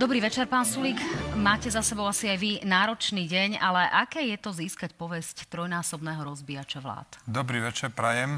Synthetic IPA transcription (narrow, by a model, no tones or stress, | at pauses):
d̪ɔbɾiːʋɛt͡ʃɛɾpaːnsulikmaːcɛzasɛbɔʊasiajʋinaːɾɔt͡ʃniːɟɛɲalɛʔakɛːjɛt̪ɔziːskacpɔʋɛsct̪ɾɔjnaːsɔbnɛːɦɔɾɔzbiːat͡ʃaʋla̰ːt̪d̪ɔbɾiːʋɛt͡ʃɛɾpɾɛjɛm